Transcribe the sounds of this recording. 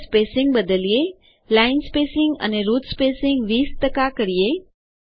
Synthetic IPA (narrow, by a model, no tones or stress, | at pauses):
speːsɪ̃ŋɡ̚bəd̪əlie | laɪnspeːsɪ̃ŋɡə̰neɾuːt̪speːsɪŋɡʋiːst̪əkakəɾije